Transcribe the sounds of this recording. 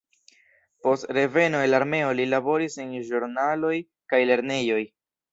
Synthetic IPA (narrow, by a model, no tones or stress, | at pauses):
po̞stɾe̞ve̞no̞elaɾme̞o̞lilabo̞ɾisenʒuɾnalo̞j | kajle̞ɾne̞jo̞j